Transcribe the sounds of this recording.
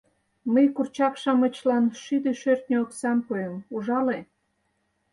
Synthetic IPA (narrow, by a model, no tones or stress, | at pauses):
məjkurt͡ɕɑkʃɑmət͡ɕlɑnʃyd̪eʃørt̪nʲeoksɑmpoemuʒɑle